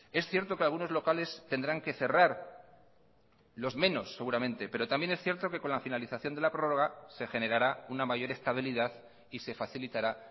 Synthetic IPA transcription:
e̞sθje̞ɾt̪o̞kealɣ̞uno̞zlo̞kale̞st̪e̞nd̪ɾaŋke̞θe̞raɾ | lo̞zmẽ̞no̞sːe̞ɣuɾamẽ̞nt̪e̞pe̞ɾo̞t̪ambje̞nesθje̞ɾt̪o̞ke̞ko̞nlafinaliθaθjo̞nd̪elapɾo̞ro̞ɣ̞ase̞xe̞ne̞ɾaɾaunamaʝo̞ɾe̞st̪aβ̞iliðað | ise̞faθilit̪aɾa

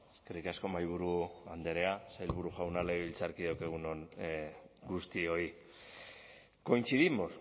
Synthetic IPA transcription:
eske̞rikasko̞majβ̞uɾuand̪e̞ɾe̞asajlβuɾuʝawnalaiβilt͡saɾkiðewkeɣ̞unon | ɡust̪io̞i | ko̞jnt͡siðimo̞s

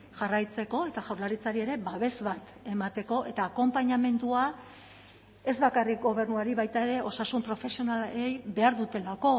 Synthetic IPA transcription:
ʝarajt͡se̞ko̞e̞t̪aʝawɾlaɾit͡saɾie̞ɾe̞baβ̞e̞zβat̪e̞mat̪e̞ko̞ʔe̞t̪aːko̞mpaɲame̞nd̪ua | e̞zβakarik̚ɡo̞β̞e̞rnuaɾiβajt̪ae̞ɾe̞ʔo̞sasumpɾo̞fe̞sio̞nalejβe̞aɾðut̪e̞lako̞

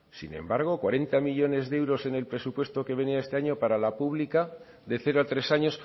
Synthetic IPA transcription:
sḭnẽ̞̰mbaɾɣ̞o̞kwaɾe̞nt̪amiʎo̞ne̞zðewɾo̞se̞ne̞lpɾe̞supwe̞st̪o̞ke̞βe̞niae̞st̪e̞aɲo̞paɾalapuβlika | ðe̞θe̞ɾoat̪ɾe̞saɲo̞s

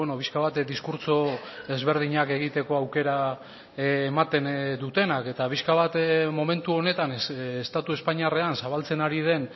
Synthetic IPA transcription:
enopiskaβat̪d̪iskuɾt͡so̞e̞zβe̞ɾð̞iɲake̞ɣit̪e̞ko̞awke̞ɾaː | mat̪e̞nd̪ut̪e̞nake̞t̪apiskaβ̞at̪mo̞me̞nt̪uo̞ne̞t̪anːst̪at̪ue̞spaɲiare̞ansaβ̞alt͡se̞naɾið̞e̞n

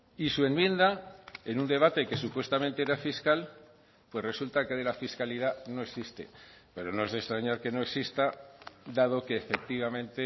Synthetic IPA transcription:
isue̞mmjẽ̞nd̪ae̞nũnd̪e̞β̞at̪eke̞supwe̞st̪ament̪e̞eɾafiskal | pwe̞sre̞sult̪ake̞ðelafiskaliðanoeksist̪e̞̰pe̞ɾo̞no̞e̞zðe̞st̪ɾaɲaɾke̞no̞e̞ksist̪ad̪að̞o̞keːfe̞k̚t̪iβ̞amẽ̞nt̪e

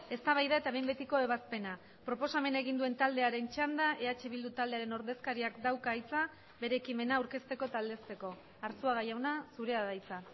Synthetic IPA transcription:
e̞st̪aβajðae̞t̪aβejmbe̞t̪iko̞e̞βaspe̞na | pɾo̞po̞same̞neɣind̪ue̞nt̪ald̪e̞aɾe̞nt͡ʃand̪aʔe̞at͡ʃeβ̞ild̪ut̪ald̪e̞aɾe̞no̞ɾðe̞skaɾiakd̪awkaːjt͡sa | be̞ɾeːkime̞nawɾke̞st̪e̞ko̞t̪ald̪e̞st̪e̞ko̞ | aɾsuaɣ̞ajawnasuɾe̞aðajt͡sa

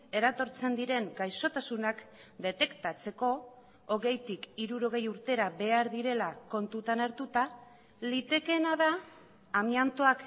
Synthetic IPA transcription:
e̞ɾat̪o̞ɾt͡se̞nd̪iɾe̞ŋɡajso̞t̪asunakd̪e̞t̪e̞kt̪at͡se̞ko̞ː | ɣe̞jt̪ikiɾuɾo̞ɣ̞e̞juɾt̪e̞ɾaβe̞aɾðiɾe̞lako̞nt̪ut̪anaɾt̪ut̪a | lit̪e̞ke̞naðaː | miant̪oak

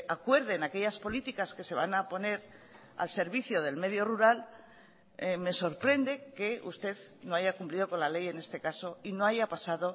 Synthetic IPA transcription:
akwe̞ɾðenake̞ʎaspo̞lit̪ikaske̞se̞βanapo̞ne̞ɾ | a̰lse̞ɾβ̞iθjo̞ð̞e̞lme̞ðjo̞ruɾal | me̞so̞ɾpɾe̞nd̪e̞ke̞ṵst̪e̞ðno̞aʝakumplið̞o̞ko̞nlale̞je̞ne̞st̪e̞kaso̞ino̞aʝapasaðo̞

